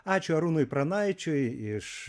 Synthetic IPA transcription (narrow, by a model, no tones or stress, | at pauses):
at͡ʃuaɾunujpɾanajt͡ʃujiʂ